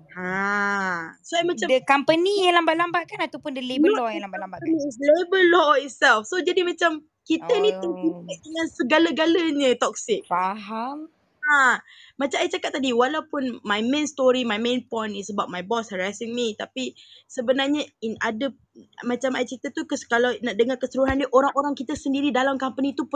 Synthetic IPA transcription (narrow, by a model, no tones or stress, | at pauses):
hã | soajmãt͡ʃadəkampənijãŋlambaʔlambaʔ̚kanat̪awpʊndəlebəlɔjãŋlambaʔlambaʔslebəlɔit̪̚sɛlfsod͡ʒadimãt͡ʃam | kit̪ənĩt̪əpitəʔ̚dəŋãnsəɡalaɡalaɲə̃t̪ɔk̚sɪk̚faɦam | a | mãt͡ʃamajt͡ʃakap̚t̪ːadiwalawpʊnmajmẽnst̪ɔɾimajmẽnpɔ̃jnɪsəbat̚majbɔshəɾasɪŋmit̪apisəbənarɲainadə | mãt͡ʃamajt͡ʃkit̪ət̪ukəskalawnaʔdəŋarkəsəɾuɦandəʔoɾaŋoɾaŋkit̪əsəndiɾidalamkampənit̪up